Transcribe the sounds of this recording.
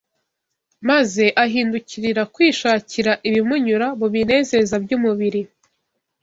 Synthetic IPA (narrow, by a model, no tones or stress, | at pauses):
maze̞ʔaɦiːnduciɾiɾakwiːʃaːciɾaʔiβimuɲuɾaβoβine̞ːze̞zabɟuːmuβiɾi